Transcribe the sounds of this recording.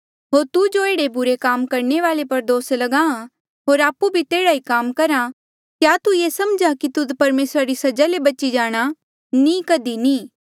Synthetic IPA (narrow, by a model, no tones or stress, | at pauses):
ɦoːɾt̪ud͡ʒoeːɽebʊɾekaːmkɐɾɳeʋaːlepɐɾd̪oːslɐɡãːã | ɦoːɾaːpːubʱit̪eːɽaikaːmkɐɾa | kjaːt̪ujeːsɐmd͡ʒakit̪ʊd̪pɐɾmeːsɾaɾisɐd͡ʒalebɐːt͡ʃid͡ʒaːɽ̃a | nĩkɐd̪inĩː